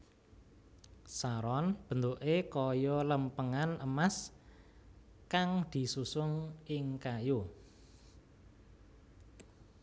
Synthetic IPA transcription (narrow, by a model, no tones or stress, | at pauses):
saɾɔnb̥ə̤nd̪oʔekɔjɔləmpəŋanəmas | kaŋd̪̥i̤susʊŋʔɪŋkajo